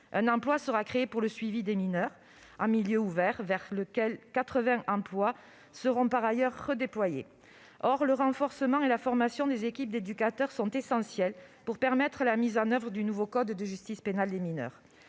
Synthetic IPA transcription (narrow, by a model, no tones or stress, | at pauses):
ɛ̃nɑ̃plwasəʁakχeepuʁləsɥivid̪eminœʁ | ɑ̃miljøuvɛʁvɛʁləkɛlkat̪χəvɛ̃ʔɑ̃plwa | səʁɔ̃paʁajœʁːəd̪eplwajḛ | ɔʁləʁɑ̃fɔʁsəmɑ̃elafɔʁmasjɔ̃d̪ezekʲip̚d̪ed̪ykat̪œʁsɔ̃t̪esɑ̃sjɛlpuʁpɛʁmɛt̪χəlamizɑ̃nœvʁəd̪ynuvokɔd̪ːəʒyst̪ispenald̪eminœ̰ʁ